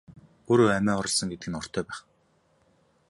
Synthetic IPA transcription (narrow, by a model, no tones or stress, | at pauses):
oːɾoːæmæːɔɾə̆ɮsə̆ŋɡet̪ɘɡɘ̆nɔr̥t̪ʰœːpæːχ